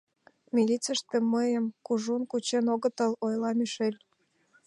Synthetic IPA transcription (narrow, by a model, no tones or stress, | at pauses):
mʲilʲit͡səʃt̪ĕmːəjəmkuʒunkut͡ɕenoɣə̆t̪əlojlɑmʲyʃelʲ